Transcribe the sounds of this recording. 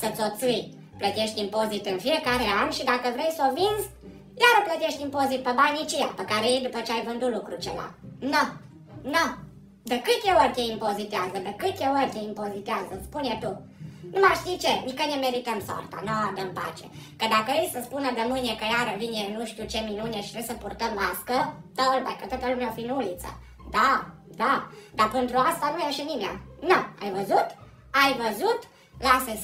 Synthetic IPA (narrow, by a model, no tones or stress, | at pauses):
sət͡sot͡sij | plɐt̪ʲeʃt̪impozit̪ənfiɾkaɾeamʃid̪akəvɾejsovinz | jaɾəplɐt̪ʲeʃt̪impozit̪̚pəbaɲit͡ʃia̰pəkaɾeijd̪upət͡ʃajvənd̪ulukɾut͡ʃḛla̰nɔ | nɔ | d̪əkɨt̪ʲewəɾt̪ʲeimpozit̪azəd̪əkɨt̪ʲewəɾt̪ʲeimpozit̪iazəspunat̪u | numaʃzit͡ʃenikənʲemeɾit̪əmso̰rt̪a̰noad̪əmpa̰t͡ʃḛkəd̪akəejsəspunəd̪əmɨnekəjaɾəvinenuʃt̪iuwt͡ʃeminuneʃi̥t̪ɾesəpurt̪əmlaskət̪əlba̰jkət̪ot̪əlumʲeaofinulit̪sə̰ | d̪a | d̪ad̪apənt̪ɾuast̪anujeʃənimea̰noa̰jvəzut̪ | ajvəzut̪ | lasə